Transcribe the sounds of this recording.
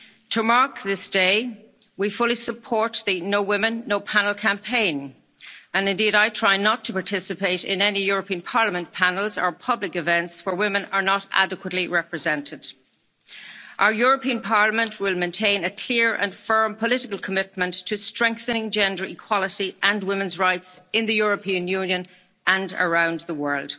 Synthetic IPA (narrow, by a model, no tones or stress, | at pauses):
tʰəmaɹkðɪsd̥eɪ | wifʊlisəpʰɔɹt̪̚ðənoʊwɪ̃mə̃nːoʊpʰanəl̩ˠkʰãmpʰẽɪ̃n | ə̃nɨ̃ndiɾaɪtʰɹ̥aɪnətʰəpaɹtʰɪsɨpeɪɾɪ̰̃nɛnijʊɹəpʰĩə̃npʰɑɹləmə̃npʰanəlˠzə˞pʰʌblɪkɨvɛ̃ntswə˞wɪ̃mə̃nə˞nəɾʔa̰dɨkwətˡliɹɛpɹɨzɛ̃ntʰɪd̥ | ʔaʊə˞jʊɹəpĩə̃npʰɑɹləmə̃nʔwɪlˠmẽɪntʰẽɪ̃nəkʰl̥ɪɹʔə̰̃nfɜ̃˞mpʰəlɪɾɪkəlˠkʰəmɪt̚mə̃ntʰːɨstɹ̥ɛ̃ŋk̚θənɪ̃ŋd͡ʒɛ̃ndə˞ikʰw̥ɑlˠəɾiʔə̃nwɪ̃mə̃nzɹaɪtsɪ̃nðɨjʊɹəpʰĩə̃njʉ̃njə̃n | ʔə̃ndə̰˞ãʊ̃nðəwɜ˞lˠd̥